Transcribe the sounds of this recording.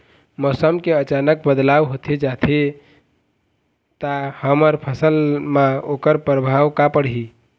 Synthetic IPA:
mɔsəmkeət͡ʃanək̚bəd̪lawɦot̪ʰed͡ʒat̪ʰe | t̪ahəməɾpʰəsəlmaokəɾpɾəbʱawkapəɽɦi

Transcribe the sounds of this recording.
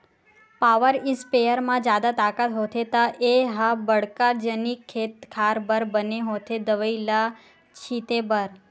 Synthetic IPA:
paʋəɾispejəɾmãd͡ʒjad̪at̪akat̪ɦot̪ʰet̪aʔeɦabəɽkaɾd͡ʒənikʰːet̪kʰaɾbəɾbəneɦot̪ʰed̪əʋəila | t͡ʃʰit̪ebəɾ

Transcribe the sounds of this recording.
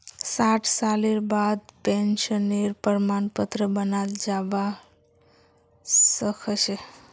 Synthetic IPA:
saʈʰsaleɾbad̪̚penʃəneɾpəɾmanpət̪ɾəbənald͡ʒaʋa | səkʰət͡ʃʰe

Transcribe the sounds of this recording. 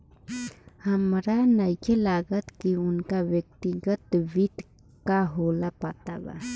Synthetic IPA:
həmɾanəjkʰelaːɡət̪kiʊnkaʋjəkt̪iɡət̪ʋɪt̪ | kaɦoːlapaːt̪aba̰

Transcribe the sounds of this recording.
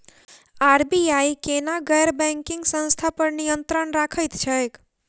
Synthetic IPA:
aɾbiajkenaɡəjɾbɛ̃ŋkiŋɡsə̃nst̪ʰapəɾnijənt̪ɾənɾakʰəjt̪t͡ʃʰəjk

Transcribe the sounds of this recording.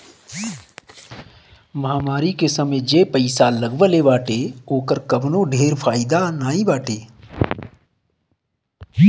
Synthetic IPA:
mɐɦaːmaːɾikesəmed͡ʒeːpəɪsaləɡʋəleʋaːʈeoːkəɾkəbnõːɖʱeːɾpʰaːɪd̪anaːĩbaːʈeː

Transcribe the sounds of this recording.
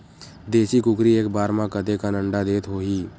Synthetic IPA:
d̪eːʃikʊkɾieːkbaːɾmãkəd̪ekanə̃ɳɖad̪eːt̪ɦoːɦiː

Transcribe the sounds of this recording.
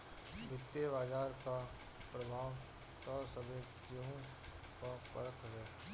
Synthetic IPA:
ʋɪt̪ːeʋaːd͡ʒaːɾka | pɾɐbʱaːw | t̪ɔːsəbʱekjõ | kapə̰ɾət̪ɦoːɡeː

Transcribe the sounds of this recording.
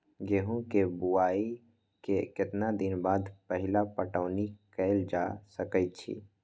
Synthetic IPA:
ɡeːɦũkebuaːi | kekɪt̪nad̪ɪnbaːd̪pəɦɪlapəʈəːnikɛɪld͡ʒasəkət̪̚t͡ʃʰḭː

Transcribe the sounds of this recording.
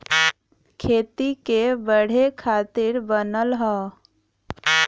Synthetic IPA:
kʰeːt̪ikebəɽ̤ekʰaːt̪iɾbənəlɦɔ

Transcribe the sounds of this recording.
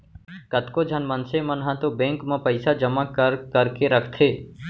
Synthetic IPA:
kət̪kod͡ʒʱənmənsemɐnɦãt̪obẽːŋkmẽpəɪsad͡ʒəmakəɾkəɾkeɾəkʰt̪ʰeː

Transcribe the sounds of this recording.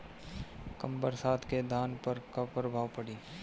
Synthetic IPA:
kɐmbəɾsaːt̪ʰked̪ʱaːnpəɾkapɾəbʱaːwpəɽiː

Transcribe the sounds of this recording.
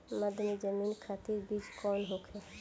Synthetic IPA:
mad̪ʱəmid͡ʒəminkʰat̪iɾbid͡ʒkɔnɦokʰe

